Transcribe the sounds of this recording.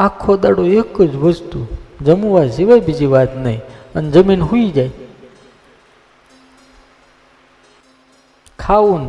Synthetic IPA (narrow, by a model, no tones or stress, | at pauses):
akʰːod̪aɽoekːəd͡ʒʋəst̪ud͡ʒəmuʋasiʋajbid͡ʒiʋat̪nəɦĩəned͡ʒəminɦuid͡ʒaj | kʰaun